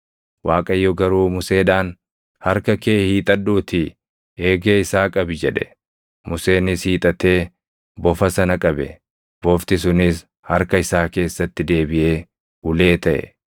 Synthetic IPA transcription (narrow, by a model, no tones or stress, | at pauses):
waːkʼɐjːɔɡɐɾuːmʊse̞ːᶑaːn | hɐɾkɐkeːhiːt̪ʼɐɗːuːt̪ɪ | e̞ːɡeːɪsaːkʼɐbɪd͡ʒɛᶑɛ | mʊse̞ːnɪshiːt̪ʼɐt̪e̞ː | bɔfɐsɐnɐkʼɐbɛ | b̥ɔft̪ɪs̬ʊnɪs | hɐɾkɐɪsaːke̞ːsːɐt̪ːɪd̪e̞ːbɪʔe̞ː | hʊle̞ːt̪ɐʔɛ̰